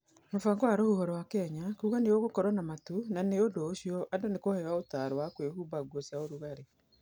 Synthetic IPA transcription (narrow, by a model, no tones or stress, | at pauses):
nofaŋɡoaɾohuhɔɾwakɛɲakuɣanejoɣokɔɾɔnamatunaneodoːɕiɔʔadonekohɛwaotaɾowakwehuːbaɡuɔsjaoɾuɣaɾe